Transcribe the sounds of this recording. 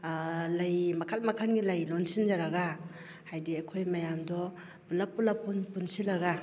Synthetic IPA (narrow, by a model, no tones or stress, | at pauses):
lajmɐkʰal̚makʰanɡilajlɔnsind͡ʒaɾaɡa | hajdiakʰojmajamdɔ | bulapulapunpunsilaɡa